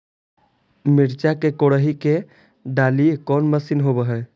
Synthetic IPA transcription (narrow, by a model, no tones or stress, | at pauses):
miɾt͡ʃakekoɽəɦike | ɖaliekɔnməsinɦobəɦɛ